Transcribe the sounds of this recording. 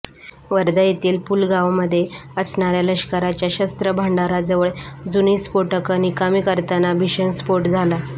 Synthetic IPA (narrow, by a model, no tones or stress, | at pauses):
ʋəɾd̪əjet̪iːlpulɡaʋməd̪ʱːjeəsɳaɾjaləɕkəɾat͡ɕjaɕəst̪ɾəbʱaɳɖaɾad͡zəʋəɭd͡zuniːspoʈəkənikamiːkəɾt̪anabʱiɕənspoɾʈd͡zʱala